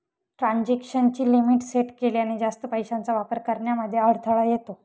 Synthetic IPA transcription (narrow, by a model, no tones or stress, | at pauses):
ʈɾãɲd͡ʑekʂənt͡ɕiːlimiːʈseʈkeliañid͡zast̪əpəjɕant͡saʋapəɾkəɾɳjaməd̪ʱːjeəɽt̪ʰəɭajet̪o